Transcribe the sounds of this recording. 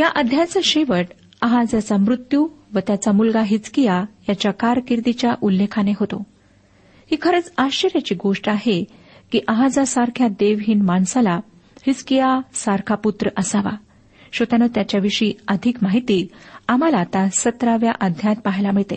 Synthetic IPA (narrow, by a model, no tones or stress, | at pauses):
jaʔəd̪ʱjat͡səɕeʋəʈ | əɦad͡zat͡samɾut̪juːʋət̪jat͡samulɡaɦit͡skijajat͡ɕjakaɾkiɾd̪it͡ɕjaʔulːekʰaneɦot̪o̰ | hiːkʰəɾət͡saɕt͡ɕəɾjat͡ɕiːɡoʂʈaɦe | kiːʔəɦad͡zasaɾkʰjad̪eʋɦiːnmaɳsala | hit͡skijasaɾkʰaput̪ɾəʔəsaʋa̰ | ɕət̪anət̪jat͡ɕjaʋiʂiːəd̪ʱikmaɦit̪iːam̤alat̪asət̪ɾaʋja̰ʔəd̪ʱjat̪̚paɦjlaməɭt̪ḛ